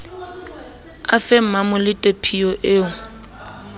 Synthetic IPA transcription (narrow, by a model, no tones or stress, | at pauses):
afɛm̩mamʊlɪtʼepʰiɔʔeːʊ